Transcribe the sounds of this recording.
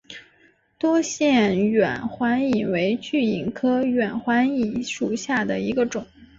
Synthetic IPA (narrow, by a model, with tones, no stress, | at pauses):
t̪wɔ˥ɕjɛ˥˩nɥɛ˨˩nxwa˧˥ni˨˩nwe˧˥ɪt͡ɕy˥˩i˨˩nkʰɤ˥ɥɛ˨˩nxwa˧˥ni˨˩nʂu˨˩ɕja˥˩d̪ə˩i˧˥ɡə˧ʈ͡ʂʊ˨˩˦ŋ